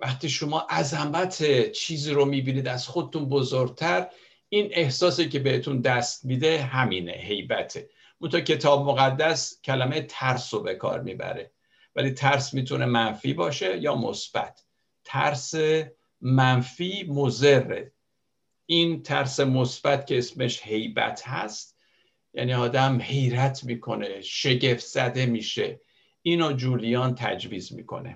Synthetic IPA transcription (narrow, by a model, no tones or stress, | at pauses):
væxt̪iːʃomɒːʔæzæmæt̪ʰet͡ʃʰiːziːɾomiːbiːniːd̪æz̥xod̪et̪unbozoɾɟ̚t̪ʰæɾ | ine̞hsɒːsice̞be̞het̪ʰund̪æst̪̚miːd̪e̞ɦæmiːne̞̰ɦe̞jbæt̪ʰe | mont̪ɑcʰe̞t̪ʰɒːbmoɣæd̪ːæscʰælæmejet̪ʰæɾsobe̞kʰɒ̰ːɾmḭːbæ̰ɾe̞̰ | væliːt̪ʰæɾsmiːt̪ʰunʔe̞mænfḭːbɒːʃe̞jɒːmo̰sb̥æ̰t̪ʰː | æ̰ɾse | mænfiːmoze̞rːḛ | ʔint̪ʰæɾse̞mosb̥æt̪cʰe̞esme̞ʃhe̞jbæ̰t̪ʰhæ̰st̪ | jæ̰ːniːɒːd̪æmhe̞jɾæt̪ʰmiːkʰo̞ne̞ʃe̞ɟe̞ft̪z̥æd̪e̞miːʃe̞̰ | ʔiːnod͡ʒuːlijɒːnt̪ʰæ̰d͡ʒviːzmḭːkʰo̞̰ne̞̰